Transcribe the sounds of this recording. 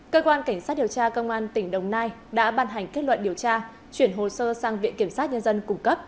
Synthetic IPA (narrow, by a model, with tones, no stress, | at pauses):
kəː˧kwaː˧nka˧˩jŋsaː˦˥t̚ɗi˨˩əwt͡ɕaː˧kə˧wŋ͡mʔaː˧nt̪ï˧˩ŋ̟ɗə˨˩wŋ͡mnaː˧jɗa̰ː˧˥ɓaː˧nɦa˨˩jŋ̟ke˦˥t̚lwə̰˧˨nɗi˨˩əwt͡ɕaː˧ | t͡ɕwi˧˩ənɦo˨˩səː˧saː˧ŋvḭ˧˨nki˧˩əmsa˦˥t̚ɲə˧nzə˧nkʊ˧˩ŋ͡mkə˦˥p̚